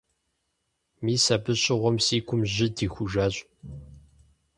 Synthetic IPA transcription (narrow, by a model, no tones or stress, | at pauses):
miːsɐbɨɕɪʁʷɔmsiːkʷʰʊmʑɪdiːxʷʊʒaːɕʼ